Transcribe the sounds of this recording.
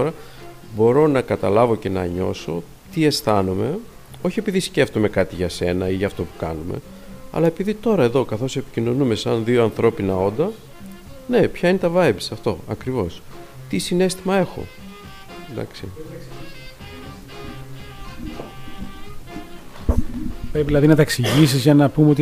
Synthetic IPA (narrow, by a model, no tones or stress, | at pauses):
oɾɐ | bo̞ɾo̞nɐkɐt̪ɐlɐvo̞ce̞nɐ̰ɲo̞̰so̞ | t̪ie̞sθɐnume̞ | o̞çie̞piðisce̞ft̪ome̞kɐt̪iʝɐse̞nɐiʝɐːft̪o̞pu̥kɐ̰nume̞̰ | ɐ̰lɐe̞piðit̪o̞ɾɐe̞ðo̞kɐθo̞se̞pi̥cino̞nume̞sɐnðio̞ɐnθɾo̞pinɐo̞nd̪ɐ | ne̞pçɐine̞t̪ɐvɐjbsɐft̪o̞̰ɐkɾivo̞s | t̪isine̞st̪imɐe̞xo̞̰ | d̪ɐ̰ksi | pɾepiðilɐðinɐt̪ɐeksiʝis̬izʝɐnɐpumeo̞t̪